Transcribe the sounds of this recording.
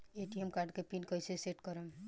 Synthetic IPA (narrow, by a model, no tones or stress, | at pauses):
eʈiemkaɾɖkepinkʌjseseʈkɔɾəm